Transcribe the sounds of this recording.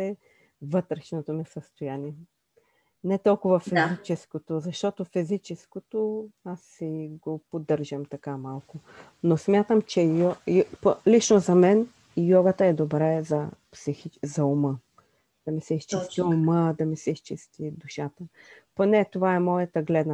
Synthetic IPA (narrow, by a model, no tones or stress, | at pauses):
ɛ | vɤt̪ɾɛʃnot̪omɛsəst̪ojaniɛ | nɛt̪ɔlˠkʊvɐfizit͡ʃɛskot̪ozɐʃt̪ɔt̪ofizit͡ʃɛskot̪oasiɡopod̪ɤɾʒəmt̪ɐkamalˠkʊ | nosmʲjat̪əmt͡ʃɛjɔpolit͡ʃnozɐmɛn | jɔɡət̪əɛd̪obɾɛzɐpsixit͡ʃzɐumə | d̪̥ɐmisɛist͡ʃist̪iuməd̪ɐmisɛist͡ʃist̪id̪uʃat̪əponɛt̪ovaɛmɔjət̪əɡlɛd̪n